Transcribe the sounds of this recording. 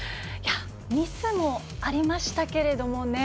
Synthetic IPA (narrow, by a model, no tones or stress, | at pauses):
ja | mʲisɨmo̞ | aɾʲimaɕi̥t̪ake̞ɾe̞d̪o̞mo̞ne̞